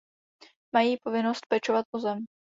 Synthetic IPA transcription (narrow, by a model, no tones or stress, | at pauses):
majiːpo̞vɪnost̪̚pɛt͡ʃovat̪̚ʔozɛm